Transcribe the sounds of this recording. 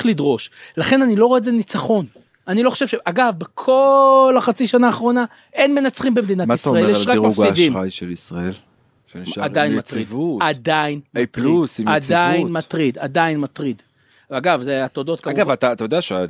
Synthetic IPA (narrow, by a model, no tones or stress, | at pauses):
lidʁo̞ʃlaχe̞nanilo̞ʁoezenit͡saχo̞n | aniloχoʃevʃeʔaɡavbekʰo̞laχat͡siʃanaːχʁo̞na | ʔenme̞nat͡sχimbemed̪inatmaisʁaeleʃʁakmaufɡidimajʃelisʁael | ʃeniʃaadajinmaʁidvuad̪ainplusadd̪ainmat̪ʁid̪a̰d̪ainmatʁid̪ | aɡavzeat̪odo̞t̪̚kaɡavat̪at̪ajodeaʃ